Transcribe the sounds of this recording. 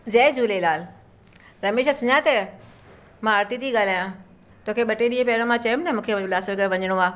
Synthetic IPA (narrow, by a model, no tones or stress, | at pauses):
zɛːd͡ʑuːlelaːl | ɾɐmeːʃ̬asʊɲat̪ɐ | mãɐɾt̪it̪iɠaːl̤aːjã | t̪oːkʰeɓɐʈeɗiːẽpɐɽ̃õmãt͡ɕɐjũmnɐmũːkʰẽlaːsəlɡɐɽʋɐɲəɽ̃oaː